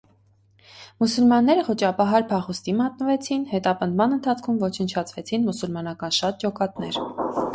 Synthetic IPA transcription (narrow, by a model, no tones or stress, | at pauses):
musulmɑnːɛɾəχɔt͡ʃɑpɑɦɑɾpʰɑχust̪imɑt̪̚nəvɛt͡sʰinhɛt̪ɑpənd̪mɑnənt̪ʰɑt͡sʰkʰumvɔt͡ʃʰənt͡ʃʰɑt͡sʰvɛt͡sʰinmusulmɑnɑkɑnʃɑt̪̚d͡ʒɔkɑt̪nɛ̰ɾ